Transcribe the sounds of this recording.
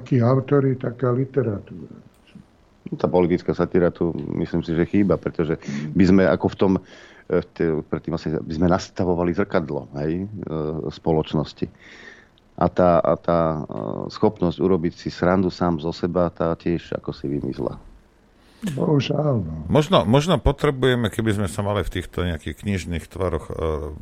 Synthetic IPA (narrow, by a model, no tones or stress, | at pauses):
akiːaʊt̪ɔɾit̪akaːlit̪ɛɾat̪uːɾa̰ | nɔt̪aːpɔlit̪it͡skaːsat̪iɾat̪umḭslimsiʒɛxiːbapɾɛt̪ɔʒɛbizmɛʔa̰kɔft̪ɔm | t̪ɛpɾɛt̪ːiːmlasɲɛa̰bizmɛnast̪aʋɔʋalizr̩kad̪lɔ̰ɦɛj | spɔlɔt͡ʃnɔsci | ʔa̰t̪aːa̰t̪aːsxɔpnɔzɟuɾɔbicsisɾand̪usaːmzɔsɛbat̪aːcɪɛʒa̰kɔsiʋimḭsla̰ | bɔɦuʒalnmɔʒnɔmɔʒnɔpɔt̪ɾɛbujɛmɛkɛbizmɛsamalift̪iːxt̪ɔɲɛakixkɲiʒniːxt̪ʋaɾɔx